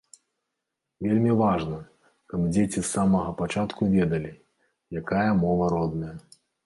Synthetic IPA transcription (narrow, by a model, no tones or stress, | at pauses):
vʲelʲmʲivaʐnɐ | kɐbd͡zʲet͡sʲisːamɐɣɐpat͡ʂat̪kuvʲɛd̪ɐlʲi | jakajɐmɔvɐɾɔd̪̚nɐjɐ